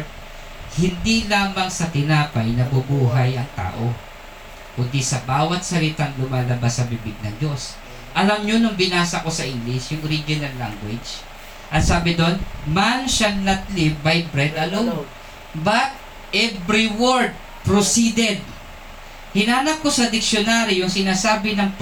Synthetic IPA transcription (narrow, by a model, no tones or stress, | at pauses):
hɪnd̪ilaːmɐŋsɐt̪ɪnaːpɐjnɐbʊbuːɦɐjɐŋt̪a̰ːʔo̞ | kʊd̪isɐbaːwɐt̪̚sɐlɪt̪aŋlʊmaːlɐbasːɐbɪbɪɡ̚nɐŋd͡ʒo̞s | ʔɐlɐmɲonʊŋbɪnaːsɐko̞sɐʔɪŋɡlɪsjʊŋʔoɾid͡ʒɪnɐlːa̰ŋɡwɪd͡ʒ | ʔɐt̪saːbɪd̪o̞nmanʃɐnlɐt̪̚lɪbajbɾɛd̪ʔɐlo | bɐt̪̚ | ʔɛbɾɪwoɹd̪̚ | pɾosid̪ɛd̪̚ | hɪnaːnɐp̚ko̞sɐd̪ɪkʃjonaɾjʊŋsɪnaːsaːbɪnɐŋ